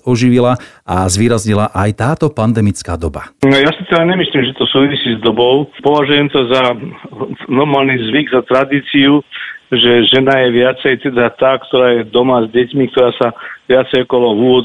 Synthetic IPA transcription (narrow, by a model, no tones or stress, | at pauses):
ɔʒiʋilaʔazʋiːɾazɲilaʔajt̪aːt̪ɔpand̪ɛmit͡skaːd̪ɔba̰jasit̪ɛd̪aɲɛmisliːmʒɛt̪ɔsuːʋisiːzd̪ɔbɔʊpɔʋaʒujɛmt̪ɔza | nɔɾmaːlnizʋiɡzat̪ɾad̪iːt͡siuʒɛʒɛnajɛʋɪat͡sɛjt̪ɛd̪at̪aːkt̪ɔɾaːjɛd̪ɔmazɟɛcmik̚t̪ɔɾaːsaʋɪat͡sɛjɔkɔlɔuːʋɔd̪